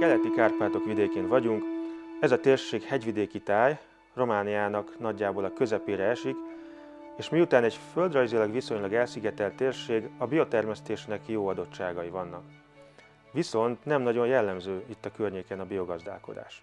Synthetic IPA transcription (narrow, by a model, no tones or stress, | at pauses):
kɛlɛt̪ikaːrpaːt̪o̞kʋid̪eːkeːnvɒɟuŋkɛzɒt̪eːrʃeːkhɛɟʋid̪eːkit̪aːj | ro̞maːnijaːnɒknɒɟːaːboːlɒkø̞zɛpeːɾɛɛʃik | eːʃmiut̪aːnɛɟfø̞ld̪rɒjzilɒɡʋiso̞ɲlɒɡɛlsiɡɛt̪ɛlt̪ːeːrʃeːɡɒbijo̞t̪ɛrmɛst̪eːʃnɛkjoːɒd̪o̞t͡ʃt͡ʃːaːɡɒjivɒnːɒk | ʋiso̞nt̪nɛmnɒɟo̞njɛlːɛmzøːit̪ːɒkørɲeːkɛnɒbijo̞ɡɒzd̪a̰ːlko̞̰d̪a̰ːʃ